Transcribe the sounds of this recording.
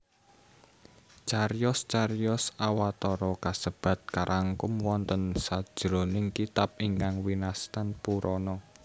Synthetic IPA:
t͡ʃaɾjɔst͡ʃarjɔsawat̪ɔɾɔkasəb̥ä̤t̪̚kaɾʔaŋkʊmwɔnt̪ənsad̥ʒ̥ɾo̤nɪŋkit̪ap̚iŋkaŋwinast̪anpuɾʔɔnɔ

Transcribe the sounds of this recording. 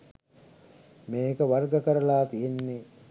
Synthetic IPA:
meːkəʋɐrɡəkəɾəlaːt̪ijenːe

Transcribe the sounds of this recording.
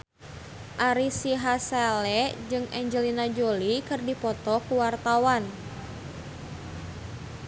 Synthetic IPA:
ʔaɾisiɦasalɛd͡ʒɨŋɛɲd͡ʒəlinad͡ʒolikɨrdipɔt̪ɔkuwart̪awan

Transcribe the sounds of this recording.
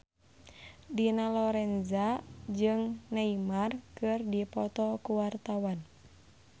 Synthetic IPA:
dinalɔɾɛnzad͡ʒɨŋnaimarkɨrdipɔt̪ɔkuwart̪awan

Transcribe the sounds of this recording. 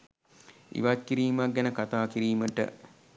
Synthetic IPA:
ḭʋatkiɾiːmak̚ɡɛnəkat̪aːkiɾiːməʈə̰

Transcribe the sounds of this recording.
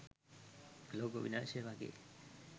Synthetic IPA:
loːɡoʋḭnaːseʋaɡḛ

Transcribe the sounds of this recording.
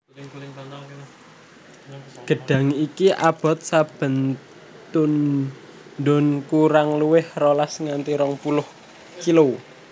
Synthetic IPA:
ɡ̥ə̤ɖ̥a̤ŋikiʔa̰b̥ɔ̤t̪̚sab̥ə̤n | t̪ʊn | d̪ʊnkuɾaŋluwɪhrolasŋant̪iɾɔŋpulʊh | kilo

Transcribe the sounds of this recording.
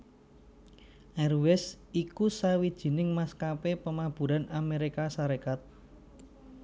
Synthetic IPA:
ʔɛrwɛs | ikusawid̥ʒ̥i̤nɪŋmaskapepəmab̥ṳɾanameɾikasaɾekat̪̚

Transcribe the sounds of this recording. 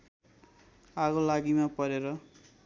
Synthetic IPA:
aɡolaɡimapʌɾeɾʌ

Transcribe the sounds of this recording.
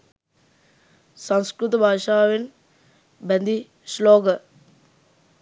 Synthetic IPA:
sɐwskɾut̪̬ɐbʱaːʂaːʋin | bend̪i | sloːɡɐ

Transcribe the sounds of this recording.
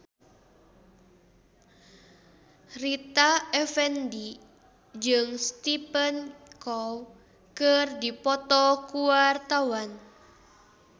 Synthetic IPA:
rit̪aɛfɛndi | d͡ʒɨŋst̪ipɛnkɔw | kərdipɔt̪ɔkuart̪awan

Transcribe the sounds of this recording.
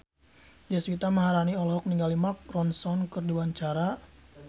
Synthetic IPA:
d͡ʒɛswit̪aməɦaɾaniɔlɔɦɔk̚niŋɡalimak̚rɔnsɔnkərdiwaɲt͡ʃaɾa

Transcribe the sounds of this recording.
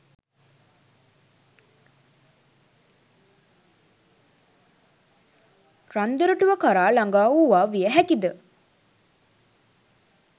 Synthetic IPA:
ɾand̪əɾəʈuʋəkaɾaːlaŋɡaːuːʋaːʋijəɦækid̪ə

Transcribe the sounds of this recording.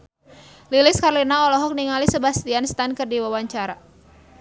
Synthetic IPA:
lilɪskaɾlinaɔlɔɦɔk̚niŋalisəbast̪ianst̪ankɨrdiwawaɲt͡ʃaɾa

